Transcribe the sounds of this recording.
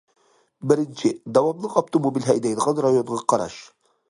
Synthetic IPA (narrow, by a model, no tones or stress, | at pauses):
bɪɾɪnt͡ʃʰɪd̪awɑmlˠəqɒb̚t̪ʰomobilʲɦæjd̪æjd̪ʁɑnɾajonʁɑqʰɑɾɑ̰ʃ